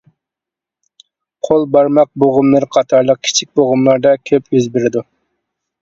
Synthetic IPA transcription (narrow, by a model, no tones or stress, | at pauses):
qʰolˠbɑɾmɑq̚boʁʊmlˠɨɾqʰɑt̪ʰɑɾlˠəq̚kʲʰi̥t͡ʃʰik̚ʲboʁʊmlˠɑɾd̪ɑkʲʰøpøzbɪɾɪd̪u